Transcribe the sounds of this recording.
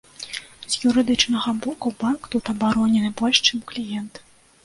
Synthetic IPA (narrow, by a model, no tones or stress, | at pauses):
z̥juɾɨd̪ɨt͡ʂnɐɣɐbɔkubankt̪ut̪ɐbaɾɔnʲɛnɨbɔlʲʂt͡ʂɨmklʲijɛnt̪